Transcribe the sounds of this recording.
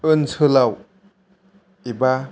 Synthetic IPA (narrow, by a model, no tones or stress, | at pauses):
ɯnsʰɯlaw | iba